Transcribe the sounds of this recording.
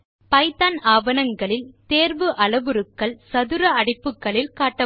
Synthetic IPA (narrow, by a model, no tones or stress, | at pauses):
pɐɪt̪aːnaːʋɐnɐŋɡɐɭɪlt̪eːɾʋɯʔɐɭɐʋɯɾɯkːɐɭsɐðɯɾɐɐɽɪpːɯkːɐɭɪlkaːʈːɐ